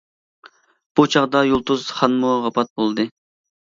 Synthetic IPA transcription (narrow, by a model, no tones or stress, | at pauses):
b̥ut͡ʃʰɑʁd̪ɑjolˠt̪uzχɑnmuʁɑpɑt̪̚bolˠd̪ɨ